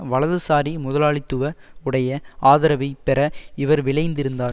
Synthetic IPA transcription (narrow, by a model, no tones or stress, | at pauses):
ʋɐɭɐðɯsaːɾimʊðɐlaːɭɪt̪ːɯʋɐʊɽɐjɐaːðɪɾɐʋɐɪpːɛɾɐɪʋɐɾʋɪɭɐɪnd̪ɪɾɯnd̪aː